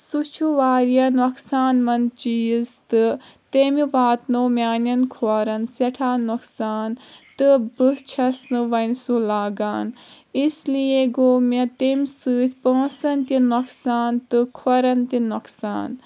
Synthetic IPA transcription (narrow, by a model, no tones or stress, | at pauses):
sut͡ʃʰuʋaːɾijɐnoksaːnmɐnt͡ʃiizt̪ɨ | t̪emiʋaːt̪noːmʲaːnɐnkʰoːɾɐnsɐʈʰaːnoksaːnt̪ɨbɨt͡ʃʰɐsnɨʋɐnsulaːɡaːn | islijeɡoːmʲet̪emʲsɨːt̪ʰʲpõːsɐnt̪inoksaːnt̪ɨkʰɔɾɐnt̪inɐksa̰ːn